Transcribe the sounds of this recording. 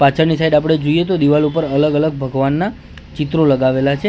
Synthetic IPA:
pat͡ʃʰəɾnisaid̪apɽ̃ed͡ʒoijet̪od̪iʋalupəɾələɡələɡ̚bʱəɡʋanːa | t͡ʃɪt̪ɾoləɡaʋelat͡ʃʰe

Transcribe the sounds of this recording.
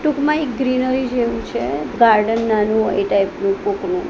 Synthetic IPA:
ʈukmãik̚ɡɾinəʋid͡ʒeʋũt͡ʃʰeɡaɾɖənːanũeʈajpnũkuknũ

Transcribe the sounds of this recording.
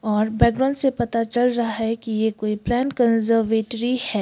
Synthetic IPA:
ɔːɾbɛːɡ̚ɡɾãʊɳɖsepɐt̪at͡ʃɐlɾɐɦaɦɛkijekoːiplɛːnkə̃nzəɾʋeːʈɾihɛː

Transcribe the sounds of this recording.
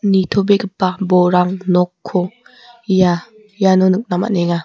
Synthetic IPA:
nitʰobeɡəpːabɔɾaŋnɔkʰːɔ | ja | janɔnɯk̚nama̰neŋa

